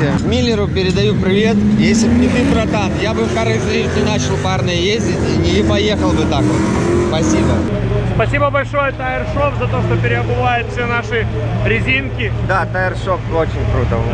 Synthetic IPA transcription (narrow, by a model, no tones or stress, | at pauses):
ɪmʲilʲːɪɾʊpʲɪɾʲɪd̪ɐjupɾʲɪvʲe̞t̪jesʲɪbnʲɪt̪ɨpɾɐd̪anjabɨfkaɾəzɾʲivʲɪt̪ʲɪnat͡ɕɪlˠparnəjəjezʲdʲɪtʲinʲɪpɐje̞xəlˠbɨt̪ako̰t̪spɐsʲibəspɐsʲibəbɐlʲʂo̞jət̪aɪrʂofzɐt̪o̞ʂt̪opʲɪɾʲɪɐbɨvajʊt̪fsʲenaʂɨ | ɾʲɪzʲinkʲɪd̪at̪aɪrʂofot͡ɕɪnʲkɾut̪ə